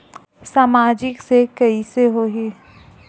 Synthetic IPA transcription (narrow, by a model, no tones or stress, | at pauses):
saːmaːd͡ʒɪksekɐiseɦoɦi